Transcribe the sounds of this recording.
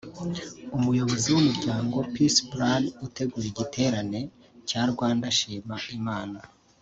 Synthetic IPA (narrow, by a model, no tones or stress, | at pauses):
umujo̞βo̞ziwumuɾɟaːŋɡo̞pisbɾanute̞ɡuːɾeɟitʰe̞ːɾane̞ | caɾɡwaːndaʃiːmaimaːna